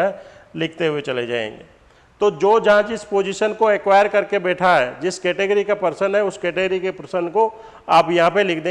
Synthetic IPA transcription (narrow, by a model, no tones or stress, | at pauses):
ɛlɪkʰt̪eɦʊet͡ʃɐled͡ʒa̰ːḛ̃ːŋɡḛː | t̪oːd͡ʒoːd͡ʒɐɦãd͡ʒɪspoːd͡ʒɪʃənkoekwaːjəɾkɐɾkebɛːʈʰaɦɛd͡ʒɪskɛːʈeɡəɾikapɐɾsənɦɛʊskɛːʈeɡəɾikepɾəsənko | aːpjɐɦãpelɪkʰd̪ẽː